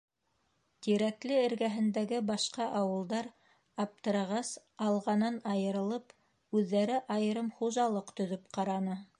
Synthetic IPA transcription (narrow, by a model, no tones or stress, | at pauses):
t̪iɾæklɘɘ̆ɾɡæɦɘ̆nd̪æɡɘbɑʃqɑʔɑwɤ̆lˠd̪ɑɾ | ɑp̚t̪ɤ̆ɾɑʁɑs | ɑlˠʁɑnɤnɑjɤ̆ɾɤ̆lˠɤp | ʉðːæɾɘʔɑjɤ̆ɾɤmχuʒɑlˠɤqt̪ɵ̆ðɵp̚qɑɾɑnɤ